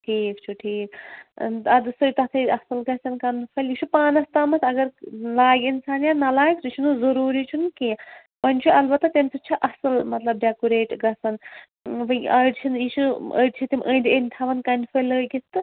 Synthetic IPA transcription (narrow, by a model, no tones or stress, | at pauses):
keːkʰt͡ʃʰuʈʰiːk̪ | ɐd̪ɨsɨjt̪ɐt̪ʰɐɐsɐlɡɐsɐnkɐnpʰɐljit͡ʃʰupaːnɐst̪amɐt̪ʰɐɡɐɾlaːɡinsaːnjanɐlaːɡsut͡ʃʰunuzɐɾuːɾit͡ʃʰunke | bɐnʲt͡ʃʰuɐlbɐt̪ːɐt̪ʲemʲsʰut͡ʃʰiʔɐsɐlmɐt̪lɐb̚ɖʲaːkuɾeːʈɡɐsɐn | bɐɐɖt͡ʃʰinjit͡ʃʰuə̰ɖʲt͡ʃʰit̪imʲʔənd̪ʲənʲt̪ʰaʋɐnkɐnipʰɐləːɡit̪t̪ɨ